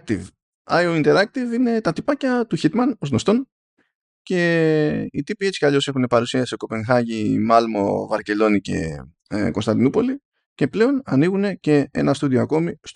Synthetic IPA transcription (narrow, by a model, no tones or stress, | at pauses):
t̪iv | ɐjoint̪eɾɐk̚t̪ivine̞t̪ɐt̪ipɐcɐt̪uçit̪mɐno̞zno̞st̪o̞n | ce̞ | it̪ipie̞t͡si̥kɐʎo̞se̞xune̞pɐɾusiɐsisoko̞pe̞ŋxɐʝimɐlmo̞̰vɐɾce̞lo̞nice̞̰ | ko̞nst̪ɐnd̪inupo̞li | ce̞ple̞o̞nɐniɣune̞ce̞e̞̰nɐst̪uðioɐko̞mis